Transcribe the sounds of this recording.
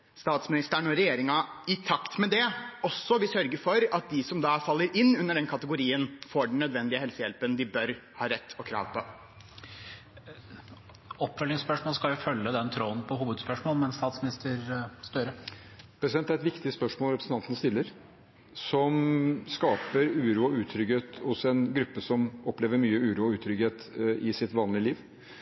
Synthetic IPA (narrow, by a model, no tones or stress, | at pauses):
st̪ɑːt̪smɪnɪst̪əɳoːɾɛjeːɾɪŋɑɪt̪ʰɑkt̪mɛd̪ɛɔsːɔʋɪsœɾɡəfɔɾɑt̪̚d̪ɪsɔmd̪ɑːfɑlːəɾɪnːʉnːəɖɛnkʰɑt̪əɡʊɾiːənfoːɖɳ̩ːœd̪ʋɛnd̪ɪəɦɛlsəjɛlpənd̪ɪbœɾhɑːɾɛt̪ːɔkʰɾɑ̰ːʋpʰɔ | ɔpːfœlɪŋspœʂmoːlskɑljʊfœlːəd̪ɛnt̪ʰɾoːnpʰɔɦuːʋəd̪spœʂmoːlmɛnst̪ɑːt̪smnɪst̪əɾst̪œɾə | pʰɾɛsɪd̪ɛnt̪ːæɾɛt̪ʋɪkt̪ɪəspœʂmoːlɾɛpɾsən̩t̪ɑnt̪ənst̪ɪlːəɾ | sɔmskɑːpəɾʉːɾuːɔʉːt̪ʰɾʏɡheːt̪hʊsɛnɡɾʉpːəsɔmɔpleːʋəɾmyːəʉːɾuːɔʉːt̪ʰɾʏɡheːt̪ɪsɪt̪ʋɑːnlɪəliːʋ